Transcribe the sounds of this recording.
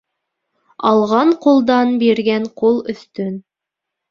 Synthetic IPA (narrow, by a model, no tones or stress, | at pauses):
ɑlˠʁɑɴqulˠd̪ɑnbiɾɡæɴqulˠɵ̆θt̪ɵn